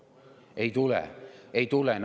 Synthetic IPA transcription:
eit̪ulɛ̰eit̪ulen

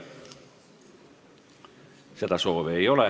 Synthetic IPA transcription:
set̪æsoːʋeiole

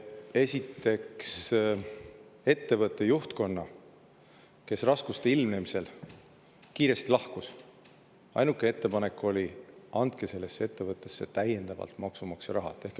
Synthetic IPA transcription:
e̞sʲit̪ːe̞ks | e̞t̪ːe̞vɤt̪ˑːe̞juht̪ko̞nːɑ | ke̞srɑskust̪eilmne̞mise̞l | kiːɾe̞st̪ilɑhkus | ɑ̰jnukːˑe̞e̞t̪ːe̞pɑne̞kːˑo̞lʲiɑnd̪̥̚ke̞se̞lːe̞sːee̞t̪ːe̞vɤt̪ːˑe̞sːe̞t̪æje̞nd̪ɑvɑ̰lt̪mɑksumɑksjɑɾɑɦɑ̰t̪ːˑe̞hk

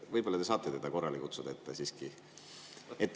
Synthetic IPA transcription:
vɤjbo̞lːɑt̪esɑːt̪ːˑet̪ed̪̥ɑko̞rːɑlikut̪sud̪ɑet̪ːesiːski | et̪ː

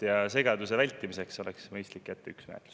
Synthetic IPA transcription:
jɑse̞ɡ̥ɑd̪̥usevælʲt̪ːˑimise̞kso̞leksmɤjst̪likːæt̪ːeyksmḛːt̪lu̥s

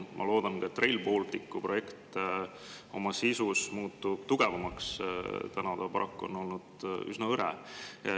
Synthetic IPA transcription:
mʔɑ̰lo̞ːd̪̥ɑnkɑet̪ːˑre̞jlpo̞ːlt̪ikːˑuproje̞kt̪ | o̞̰mɑsisusmuːt̪ːˑub̥t̪uɡ̥e̞vɑmɑkst̪ænɑd̪̥ɑpɑɾʔɑkːuo̞̰no̞lnud̪̥y̰snɑɤɾɛ̰

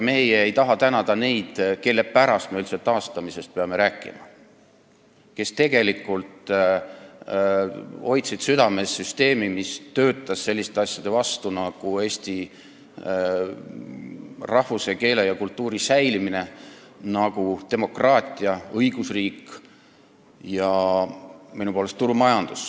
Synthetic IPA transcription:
me̞jeejt̪ɑɦɑt̪ænɑd̪̥ɑne̞jd̪̥ke̞lːe̞pæɾɑst̪meylt̪set̪ːɑːst̪ɑmise̞st̪̚peɑme̞ɾæːkːˑḭmɑ̰ | ke̞st̪e̞ɡ̥e̞likːˑult̪ | o̞jt̪sid̪̥syd̪̥ɑme̞sːyst̪e̞ːmimist̪øːt̪ːˑɑsse̞lʲːist̪e̞ɑsʲjɑd̪̥e̞vɑst̪unɑɡ̥ue̞ːst̪i | rɑhvuse̞ke̞ːle̞jɑkult̪ːˑuːɾisæjlimine̞ | nɑɡ̥ut̪e̞mo̞krɑːt̪ʲˑiɑɤjɡ̥usriːk | jɑ | minupoːle̞st̪ːuɾumɑjɑnd̪̥us

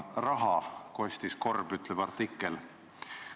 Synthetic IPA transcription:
rɑɦɑko̞sʲt̪isko̞rbyt̪ːleb̥ɑrt̪ːikːˑel

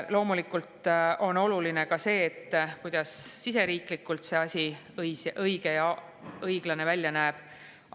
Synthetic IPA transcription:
lo̞ːmulikːˑult̪o̞no̞luline̞kɑse̞ːt̪ːkujd̪̥ɑsːis̬e̞ɾiːklikːˑult̪se̞ɑsʲi | jsʔɤjɡ̥e̞jɑ | ɤjɡ̥lɑne̞vælʲjɑnæːb̥

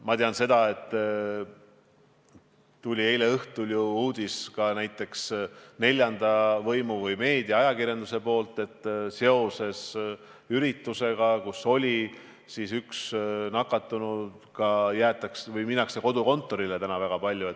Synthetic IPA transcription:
mɑt̪eɑnse̞d̪̥ɑe̞t̪ːˑ | t̪ulʲie̞jle̞ɤht̪uljuuːd̪̥iskɑnæjt̪ːˑe̞ksne̞lʲjɑnd̪̥ɑvɤjmuvɤjme̞ːd̪̥ijɑɑjɑkirjɑnd̪use̞po̞ːlt̪ːˑe̞t̪ːˑse̞o̞se̞s | yɾit̪ːˑuse̞ɡɑkusːo̞lʲi | sisyksnɑkːˑɑt̪ːˑunu | kɑjæːt̪ːˑɑksvɯjminːɑkseko̞d̪̥uko̞nt̪ːˑo̞ɾile̞t̪ænɑvæɡ̥ɑpɑlʲjue̞t̪ː

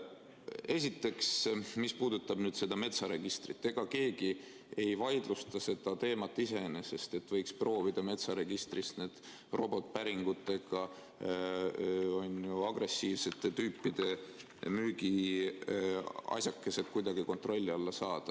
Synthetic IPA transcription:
e̞s̬ʲit̪ːˑe̞ksmispuːd̪ut̪ːɑb̥nyːd̪se̞d̪̥ɑme̞t̪sɑɾe̞ɡ̥ist̪rit̪ːe̞ɡ̥ɑke̞ːɡi | e̞jvɑjd̪lust̪ɑse̞d̪̥ɑt̪e̞ːmɑt̪ˑːise̞nese̞st̪e̞t̪ːvɤ̞jkspro̞ːvid̪̥ɑme̞t̪sɑɾe̞ɡ̥ist̪rist̪neːd̪̥ | ro̞bo̞t̪ːpæɾiŋɡ̥ut̪ːˑe̞ɡ̥ɑ | o̞njuɑɡre̞sːiːvse̞t̪ːˑet̪yːpːˑid̪̥e̞ | myːɡi | ɑ̰sʲjɑkːe̞se̞d̪̚kujd̪̥ɑɡiko̞nt̪ro̞lʲːiɑlːɑsɑːd̪̥ɑ̥

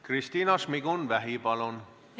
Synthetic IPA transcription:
krist̪iːnɑsmiɡunʋæɦipɑlon

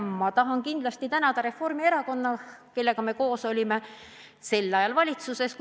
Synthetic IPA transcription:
mɑt̪ɑɦɑnkind̪̥lɑst̪it̪ænɑd̪̥ɑɾe̞fo̞rmie̞ɾɑko̞nːɑke̞lːe̞ɡ̥ɑme̞ko̞ːso̞lʲime̞ | se̞lːɑjɑlvɑlʲit̪suse̞sk

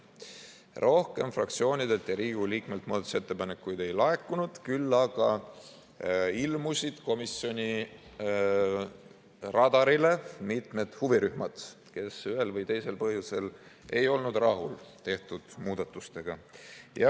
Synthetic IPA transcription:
rʔo̞hke̞mfrɑk̚t̪sio̞ːnʲid̪e̞t̪jɑɾiːɡ̥uliːkme̞lt̪̚muːd̪ɑt̪u̥se̞t̪ːe̞pɑne̞kːˑujd̪e̞jlɑekːunud̪̥kylːɑɡ̥ɑ | ilmusid̪̥ko̞misjo̞nʲi | rɑd̪ɑɾile̞mit̪me̞d̪̥huviɾyhmɑd̪̥ | ke̞syɦe̞lvɤjt̪e̞jse̞lpɤɦjuse̞l | e̞̰jo̞lnud̪rɑɦṵlt̪e̞ht̪ud̪̥muːd̪̥ɑt̪ːˑust̪e̞ɡ̥ɑjɑ

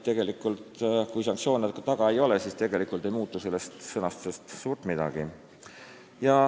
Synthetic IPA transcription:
t̪e̞ɡ̥e̞likːˑult̪kujs̬ɑŋktsijo̞ːnet̪̚kɑt̪ɑɡ̥ɑejo̞lesiːst̪e̞ɡ̥e̞likˑult̪e̞jmuːt̪ːˑuse̞lːe̞st̪sɤnɑst̪u̥se̞st̪suːrt̪mid̪̥ɑ̰ɡ̥i | jɑ

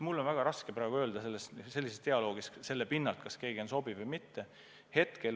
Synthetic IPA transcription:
mulːo̞nvæɡ̥ɑɾɑskepɾɑːɡuø̞ːld̪ɑse̞lːesse̞lːisest̪eɑlo̞ːɡ̥isse̞lːepinːɑlt̪kɑske̞ːɡ̥io̞nso̞bivɤjmit̪ːe̞ | he̞t̪ke̞l

